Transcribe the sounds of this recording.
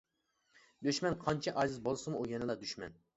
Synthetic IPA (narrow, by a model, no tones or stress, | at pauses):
d̪øʃmɛnqʰɑnt͡ʃʰɛʔɑzɨzbolˠsɨmuʔujɛnɨlˠɑd̪yʃmɛ̰n